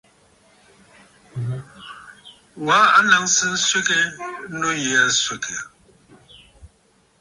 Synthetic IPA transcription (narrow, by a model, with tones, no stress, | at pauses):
wa˨˦a˦na˨ŋsɨ˦n̩˦swe˦ke˦nu˦je˨˦a˨swe˨kʰe˨